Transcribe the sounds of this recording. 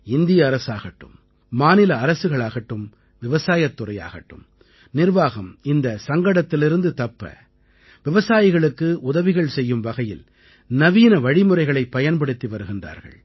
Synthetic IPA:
ɪnd̪ɪjɐːɾɐsaːɣɐʈːɯ̰mː | aːnɪlɐːɾɐsɯɣɐɭaːɣɐʈːɯm | ʋɪʋɐsaːjɐt̪ːʊrɐja̰ːɣɐ̰ʈːɯ̰m | nɪrʋaːɣɐmɪnd̪ɐsɐŋɡɐɽɐt̪ːɪlɪɾɯnd̪ɯt̪ɐpːɐ̰ | ʋɪʋɐsaːjɪɣɐɭɯkːɯʔʊðɐʋɪɣɐɭsɛjːɯmʋɐɣɐjɪl | nɐʋiːnɐʋɐɻɪmɯrɐɪɣɐɭɐɪpːɐjɐnpɐɽɯt̪ːiʋɐɾɯɣɪndra̰ːɾɣɐ̰ɭ

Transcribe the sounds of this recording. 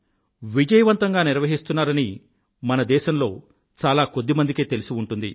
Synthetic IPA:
ʋid͡ʒɐjɐʋɐnt̪ɐŋɡaːniɾʋɐɦist̪unːaːɾɐni | mɐnɐd̪ɛːʃɐmlo̞ː | t͡ʃaːlaːkod̪ːimɐnd̪ikeːt̪elisiuɳʈund̪i

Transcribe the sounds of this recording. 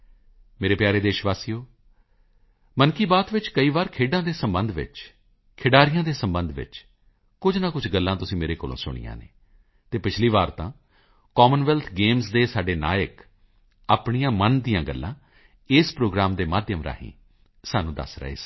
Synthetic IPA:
meːɾeːpjaːɾeːd̪eːʃʋaːsijoː | mənkiːbaːt̪ʋɪt͡ʃkəiːʋaːɾkʰeːɖãːd̪eːsəmbənd̪ʋɪ̰t͡ʃ | kʰɪɖaːɾɪjãːd̪eːsəmbənd̪ʋɪ̰t͡ʃ | kʊd͡ʒnaːkʊd͡ʒɡəlːãːt̪ʊsĩːmeːɾeːkoːlõ̰ːsʊ̰ɽ̃ḭjã̰ːnḛː | t̪eːpɪt͡ʃʰliːʋaːɾt̪ãː | kɔːmənʋɛːlt̪ʰɡeːmsd̪eːsaːɖeːna̰ːjək | aːpɳijãːmənd̪ijãːɡəlːã̰ː | ɪːspɾoːɡɾaːmd̪eːmaːd̪jəmɾa̰ːɦḭ̃ː | saːnũːd̪ə̰sɾə̰ḛːs

